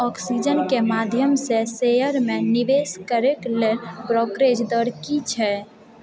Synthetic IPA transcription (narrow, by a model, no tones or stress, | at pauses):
ɔksid͡ʒənkemad̪ʱjəmsesejəɾmeniʋeskəɾeklelbɾɔkɾed͡ʒd̪əɾkit͡ʃʰɛ